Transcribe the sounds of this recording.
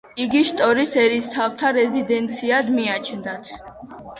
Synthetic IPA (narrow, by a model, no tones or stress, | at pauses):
iɡiʃt̪ʼɔɾisɛɾist̪ʰaft̪ʰaɾɛzid̪ɛnt̪sʰiad̪miat͡ʃʰnd̪at̪ʰ